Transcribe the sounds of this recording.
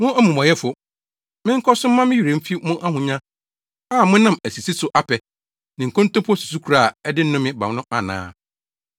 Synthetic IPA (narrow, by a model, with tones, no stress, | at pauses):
mʊ̃˦æ˦mũ˨mɔ̃˨jɛ˦fʊ˨ | mɪ̃˦ŋ̩˦kʰɔ˦sʊ̃˦m̩˦mã˦mɪ̃˦ɥi˨ɾẽ˨m̩˦fi˦mʊ̃˦ʔa˦ɦʊ̃˨ɲã˦ | aː˦˨mʊ̃˦nã˦˨mæ˨si˨si˦sʊ˨ʔa˦pʰɛ˨ | nɪ̃˨ŋ̩˨kʰõ˦n˦tõ˦pʰɔ˦su̥˨su˦kʰu˨ɾa˦˨ɛ˦dɪ˦n̩˦nʊ̃˦mɪ̃˦ba̰˨wnʊ̃˦ʔa˨nã̰ː˦